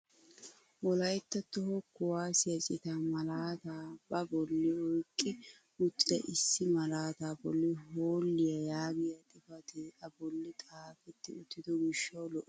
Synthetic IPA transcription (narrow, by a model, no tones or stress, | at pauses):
wɔlɐjt̪ːɐt̪ːɔhɔkːʊwaːsɪjɐt͡ʃʼɪt̪aːmɐlaːt̪aːbɐbɔlːɪɔjkʼːɪ | ʊt͡sʼːɪɐʔɪsːɪmɐlaːt̪aːbɔlːɪɦoːlːɪjɐjaːɡɪjɐt̪ʼɪfɐt̪ɪʔɐbɔlːɪt̪ʼaːfɛt̪ːɪʊt̪ːɪd̪ɔɡɪʃːɐwlɔʔɛ